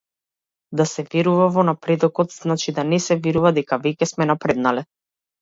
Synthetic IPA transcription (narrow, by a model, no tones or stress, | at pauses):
d̪asɛvɛɾuvavɔnapɾɛd̪ɔkɔt̪z̥nat͡ʃid̪anɛsɛviɾuvad̪ɛkavɛcɛsmɛnapɾɛd̪nalɛ